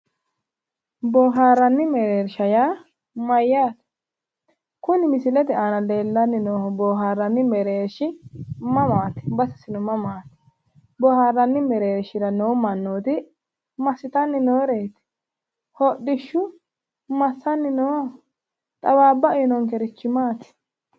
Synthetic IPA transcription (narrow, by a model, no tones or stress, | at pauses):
bɔːɦaːɾːɐnːɪmɛɾeːɾʃɐjaː | mɐjːaːt̪ | kʊnɪmɪsɪlɛt̪ɛanɐle̞ːlːɐnːɪnoːbɔːɦaːɾːɐnːɪmɛɾeːɾʃɪmɐmaːt̪ɪ̥bɐsɐ̥sɪnɔmɐmaːt̪ɪ̥ | bɔhaːrːɐnːɪmɛɾeːɾʃɪɾɐnoːmɐnːoːt̪ɪ | mɐsɪt̪ɐnːɪnoːɾeːt̪ɪ̥ | hɔɗːɪʃːʊ | mɐsːɐnːɪnoː | t̪ʼɐwaːbːɐnɔŋkɛɾɪt͡ʃːɪmaːt̪ɪ̥